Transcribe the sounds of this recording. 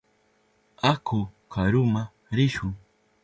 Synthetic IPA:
akʰʊkʰaɾʊma | ɾɪʃʊŋ

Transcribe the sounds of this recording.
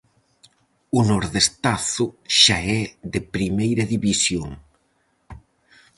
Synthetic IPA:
ʊnɔɾðest̪aθʊʃaɛðepɾimejɾɐðiβisjoŋ

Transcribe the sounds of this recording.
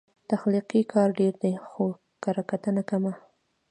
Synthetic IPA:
t̪axliqikʰɑɾɖeɾd̪exo | kaɾakat̪ənakama

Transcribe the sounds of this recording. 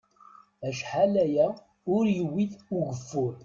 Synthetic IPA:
æʃħalæjæ | ʊɾjəwːiθuʝəfːʊɾ

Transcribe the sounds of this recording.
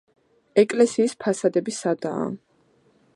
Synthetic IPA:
ɛkʼlɛsiːspʰasad̪ɛbisad̪a̰ː

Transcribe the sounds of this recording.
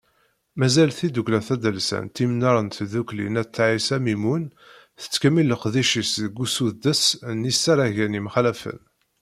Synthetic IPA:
mæzælθid̪uklæθæd̪əlsə̰nt̪ːimnɑɾˤənt̪ðuklḭnæt͡sːʕisæmimun | θə̥t͡sːkæmilːəqðiʃisðɡːusuðd̪əsnisæɾˤæʝænimχlæfə̰n

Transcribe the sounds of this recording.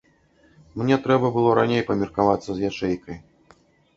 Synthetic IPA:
mnʲɛt̪ɾɛbɐbɨlˠɔɾanʲejpɐmʲirkavat̪sːɐzjat͡ʂɛjkɐj

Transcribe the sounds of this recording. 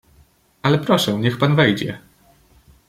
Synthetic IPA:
alɛpɾɔʂɛ̃ɲɛxpanvɛjd͡ʑɛ̰

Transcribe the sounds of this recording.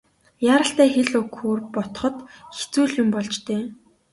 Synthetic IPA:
jaːɾə̆ɬt̪æːxeɮɵkxoːrpɔt̪̆χɞ̆t̪xe̥t͡suːɮjʊmpɔɮt͡ɕt̪eː

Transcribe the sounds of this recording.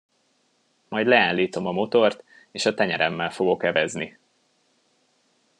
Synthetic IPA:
mɒjd̪lɛaːnliːt̪o̞mɒmo̞t̪o̞rt̪ | eːʃɒt̪ɛɲɛɾɛmːɛlfo̞ɡo̞kɛvɛzni

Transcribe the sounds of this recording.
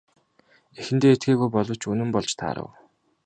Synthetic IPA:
exɘ̆nt̪eːet̪ɡeːɣujpɔɮɞ̆wʰt͡ɕʰɵnɘ̆mpɔɮt͡ɕt̪ʰa̰ːɾə̰̆w

